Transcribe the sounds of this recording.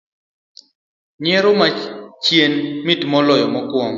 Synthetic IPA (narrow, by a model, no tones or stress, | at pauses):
ɲeɾomat͡ʃjenmitmɔlɔjɔmɔkwɔŋ